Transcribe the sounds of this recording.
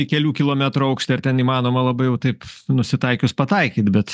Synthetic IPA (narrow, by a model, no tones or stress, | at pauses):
ikʲɛlʲuːkʲɪlˠoːmʲæt̪ɾuɐʊkʃʲt̪ʲɪɐɾt̪ʲɛniːmɑːnoːmɐlˠɐbɐɪjɛʊt̪ɐɪpnʊsʲɪt̪ɐɪkʲʊspɐt̪ɐɪkʲiːt̪bʲɛt̪